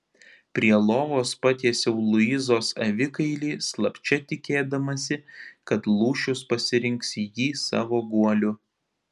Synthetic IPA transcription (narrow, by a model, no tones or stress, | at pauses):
pʲɾʲiɛlˠoːʋoːspɑːt̪ʲiɛsʲɛʊlˠʊɪzoːsɐʋʲɪkɐɪlʲiːslˠɐpʲt͡ʃʲɛt̪ʲɪkʲeːd̪ɐmɐsʲɪkɐt̪lˠuːʃʲʊspɐsʲɪɾʲɪŋksʲijiːsɑ̰ːʋoːɡuɔlʲʊ